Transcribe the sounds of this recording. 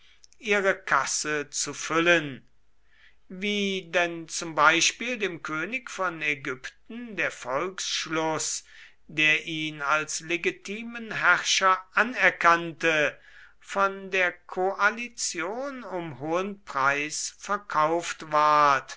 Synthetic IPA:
ʔiːʁəkʰasət͡sufʏlən | viːdɛnt͡sʊmbaɪʃpiːldeːmkʰøːnɪkfɔneɡʏptn̩deːɐfɔlksʃlɔs | deːɐʔiːnalsleɡitʰiːmənɦæʁʃɐʔanɛɐkantə | fɔndeːɐkʰoʔalit͡sjoːnʊmhoːənpʁ̥aɪsfɛɐkʰaʊftvaɐt

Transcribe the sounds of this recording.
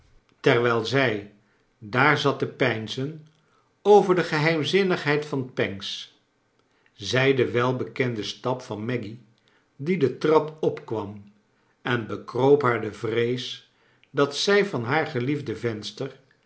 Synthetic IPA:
tɛɹʋɛlˠzɛj | daːɹzɑtəpɛjnzən | owvəɹdəχəɦɛjmzɪnəχɦɛjtfɑnpɛŋs | zɛjdəʋɛlˠbəkɛndəstɑpfɑnmɛɡi | didətrɑpɔpkʋɑm | ɛnbəkrowpɦaːɹdəvrejs | dɑtsɛjvɑnɦaːɹχəlivdəvɛnstəɹr

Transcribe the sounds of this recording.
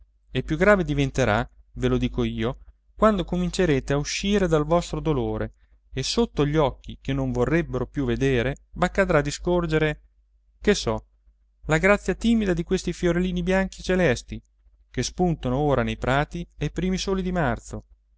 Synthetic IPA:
epːjuɡɾaːved̪ivent̪eɾa | velod̪iːkoiːo | kwand̪okomint͡ʃeɾeːt̪eauʃːiːɾed̪alvɔst̪ɾod̪oloːɾe | esot̪ːoʎːɔkːikenoɱvorːɛbːeɾopjuved̪eːɾebakːad̪ɾad̪iskord͡ʒeɾe | kesɔ | laɡɾat̪sːjat̪iːmid̪ad̪ikwest̪ifjoɾeliːnibjaŋk̟it͡ʃelɛst̪i | kespunt̪onooːɾanejpɾaːt̪iajpɾiːmisoːlid̪imart̪so

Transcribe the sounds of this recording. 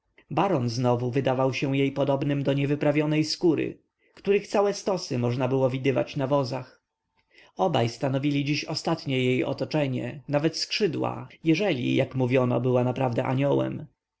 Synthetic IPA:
baɾɔnznɔvuvɘd̪avawɕɛw̃jejpɔd̪ɔbnɘmd̪ɔɲɛvɘpɾavʲjɔnɛjskuɾɘ̰ | kt̪uɾɘxt̪sawɛst̪ɔsɘmɔʐnabɘwɔvʲid̪ɘva̰t͡ɕnavɔzax | ɔbajst̪anɔvʲilʲid͡ʑiɕɔst̪at̪ɲɛjejɔ̰t̪ɔt͡ʂɛɲɛ̰navɛt̪skʂɘd̪wa̰jɛʐɛlʲḭjakmuvʲjɔnɔ̰bɘwanapɾavd̪ɛʔaɲɔwɛ̰m

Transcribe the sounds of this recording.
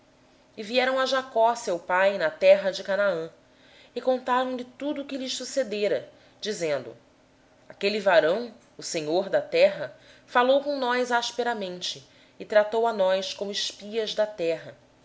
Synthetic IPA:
ɪviɛɾɐ̃w̃ɐʒakɔsewpajnɐt̪ɛɦɐd͡ʒɪkanaɐ̃ | ɪkõnt̪aɾɐ̃w̃lɪt̪ud̪ʊːkɪlɪʃsused̪eɾɐ | d͡ʒizẽnd̪ʊ̰ | akelivaɾɐ̃w̃ | ʊseɲoɾd̪ɐt̪ɛɦɐfalowkõw̃nɔjzaʃpeɾɐmẽnt͡ʃɪː | t̪ɾat̪owanɔjskõmʊɪʃpiɐzd̪ɐt̪ɛɦɐ

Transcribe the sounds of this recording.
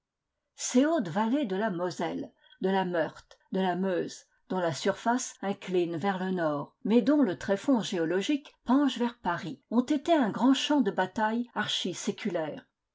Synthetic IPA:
seot̪valed̪əlamɔzɛl | d̪əlamœʁt̪d̪əlamøz | d̪ɔ̃lasyʁfasɛ̃klinvɛʁlənɔːʁmɛd̪ɔ̃lət̪χɛfɔ̃ʒeɔlɔʒikpɑ̃ʒvɛʁpaʁiɔ̃t̪et̪eɛ̃ɡʁɑ̃ʃɑ̃d̪əbat̪ajaʁʃisekʰʲylɛːʁ

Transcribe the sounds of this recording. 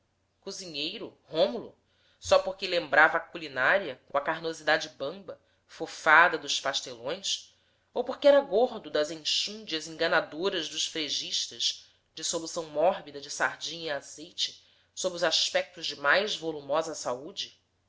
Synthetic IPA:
kuziɲejɾʊhõmulṵ | sɔpoɾkɪlẽmbɾavɐːkulinaɾiɐkõɐkaɾnozid̪ad͡ʒɪbɐ̃mbɐ | fofad̪ɐd̪ʊʃpaʃt̪elõj̃s | owpoɾkɪɛɾɐɡoɾd̪ʊd̪ɐzẽʃũd͡ʒiɐzẽŋɡɐnad̪oɾɐzd̪ʊʃfɾeʒiʃt̪ɐʃ | d͡ʒɪsolusɐ̃w̃mɔɦbid̪ɐd͡ʒɪsaɾd͡ʒĩɲiaz̥ejt͡ʃɪ̥ | sobɾiʊzaʃpɛk̚t̪ʊzd͡ʒɪmajzvolumɔzɐsaud͡ʒɪ

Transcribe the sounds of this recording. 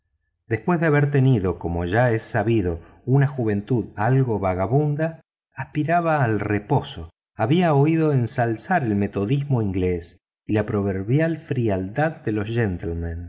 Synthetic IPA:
d̪espwe̞zðeaβeɾt̪e̞niðo̞ko̞mo̞ʒaesaβiðo̞ | unaxuβ̞e̞nt̪uðalɣo̞βaɣaβund̪aː | spiɾaβaːlrepo̞so | aβiaoiðo̞ensalsaɾe̞lme̞t̪o̞ðizmo̞iŋɡles | ilapɾo̞βeɾβjalfɾiald̪aðːe̞lo̞zʒent̪elmãn

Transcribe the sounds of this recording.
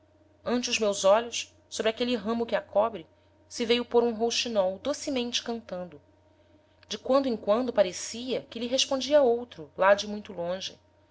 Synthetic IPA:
ɐ̃nt͡ʃɪʊzmewzɔʎʊs | sobɾakelɪɦɐ̃mʊkɪakʰɔbɾɪ | sɪvejʊpoɾũɦowʃt͡ʃinɔwd̪osɪmẽnt͡ʃɪ̥kɐ̃nt̪ɐ̃nd̪ʊ | d͡ʒɪkwɐ̃nd̪ʊẽŋkwɐ̃nd̪ʊpaɾesiɐkɪliɦeʃpõnd͡ʒiɐowt̪ɾʊlad͡ʒɪmũj̃t̪ʊlõʒɪ̰

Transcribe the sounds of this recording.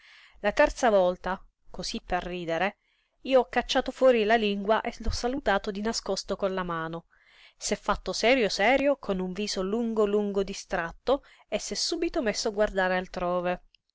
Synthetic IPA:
lat̪ɛrt̪savɔlt̪a | kosipːerːiːd̪eɾe | iːoɔkːat͡ʃːaːt̪ofwɔːɾilaliŋɡwaʔelɔsːalut̪aːt̪od̪inaskɔst̪okonlamaːno | sɛfːat̪ːosɛːɾjosɛːɾjokʰonuɱviːsoluŋɡoluŋɡod̪ist̪ɾat̪ːo | esːɛsːuːbit̪omesːoaɡward̪aːɾealt̪ɾoːve

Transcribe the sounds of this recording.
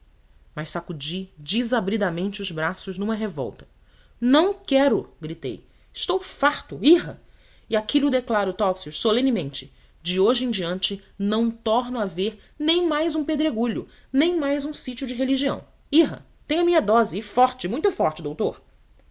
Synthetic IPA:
mɐʃsakud͡ʒid͡ʒizabɾid̪amẽnt͡ʃɪʊzbɾasʊʒnũmɐɦevɔ̰wt̪ɐ̥ | nɐ̃w̃kɛɾʊɡɾit̪ḛj | ɪʃt̪owfaɾt̪ʊiɦɐ | ɪakʰilʊd̪eklaɾʊt̪ɔpsiuʃsolẽnimẽnt͡ʃɪ̥ | d͡ʒɪoʒɪẽd͡ʒiɐ̃nt͡ʃɪnɐ̃w̃t̪ɔɾnʊaveɾ | nẽj̃majzũped̪ɾeɡuʎʊ | nẽj̃majzũsit͡ʃiʊd͡ʒɪɦeliʒiɐ̰̃w̃ | iɦɐ̰ | t̪ẽj̃ɲ̃ɐmĩɲɐd̪ɔzɪɪfɔɾt͡ʃɪmũj̃t̪ʊfɔɾt͡ʃɪd̪owt̪oɾ

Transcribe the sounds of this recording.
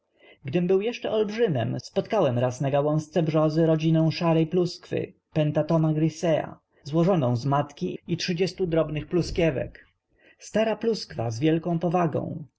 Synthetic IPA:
ɡd̪ɘmbɘwjɛʂt͡ʂɛʔɔlbʐɘmɛ̰mspɔt̪kawɛmɾasnaɡawɔ̃w̃st̪sɛbʐɔzɘɾɔd͡ʑinɔ̃w̃ʂaɾɛjpluskfɘ̰ | pɛnt̪at̪ɔmaɡɾisɛa̰ | zwɔʐɔnɔ̃w̃zmat̪kʲiitʂɘd͡ʑɛst̪ud̪ɾɔbnɘxpluskʲjɛvɛ̰k | st̪aɾapluskfa̰zvʲjɛlkɔ̃w̃pɔvaɡɔ̰̃w̃

